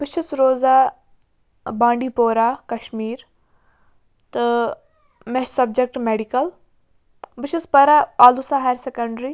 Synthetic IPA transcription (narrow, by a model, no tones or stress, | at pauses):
bɪʃɐsɾoːzaː | bãːɳɖiːpoːɾaːkɐʃmiːɾ | t̪ɨ | mɛsɐb̚d͡ʒek̚ʈmeɖikɐl | bɪʃɐspɐɾaaːlusaɦaɾsekɐɳɖɾi